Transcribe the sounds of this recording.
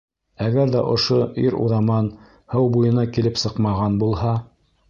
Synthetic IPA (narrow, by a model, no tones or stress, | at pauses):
æɡæɾðæ̰ʔŏʃoiɾṵɾɑmɑn | hɤwbujɤ̆nɑkilɘpsɤqmɑʁɑnbulˠhɑ